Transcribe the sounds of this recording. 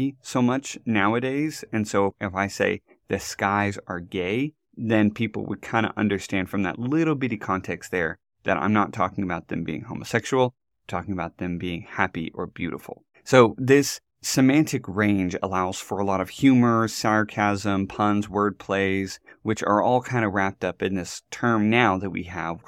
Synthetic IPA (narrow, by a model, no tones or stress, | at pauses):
isoʊmʌt͡ʃnaʊɨɾeɪzɨ̃nsoʊɨfaɪsḛɪ | ðɨskaɪzə˞ɡeɪ | ðɨ̃npʰipl̩ˠwə̰d̚kʰãɪ̃ndə̰ʔʌ̰̃ndə˞stæ̃nd̥fɹʌ̃mðɨ̰tˡlɪɾl̩ˠbɪɾikʰɑ̃ntʰɛkst̪̚ðə˞ | ðɨɾʔã̰ɪ̃mnətʰɔ̰kɪ̃ŋəbaʊt̪̚ðɨ̃mbḭɪ̰̃ŋhõʊməsɛkʃul̩ˠ | tʰɔkɪ̃ŋəbaʊt̪̚ðɨ̃mbiɪ̃ŋhæpiʔə˞bjʉ̰ɾə̰fl̩ˠ | soʊðɪsː | ɨmæ̃ntʰɨkɹẽɪ̃nd͡ʒə̰laʊz̥fə˞əlɔɾʌv̥hjʉmə˞sɑɹkʰæzə̃mpʰʌ̃nzwɜ˞d̚pʰl̥eɪz̥wɨt͡ʃə̰˞ɔlˠkʰãɪ̃ndəɹæp̚tʌpɨ̃nðɪstʰɜ̃˞mnaʊðɨt̚wḭɨv̥